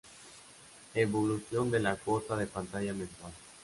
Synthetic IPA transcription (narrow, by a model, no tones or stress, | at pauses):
eβoluθjo̞nd̪elakosaðe̞pant̪aʝamẽnsal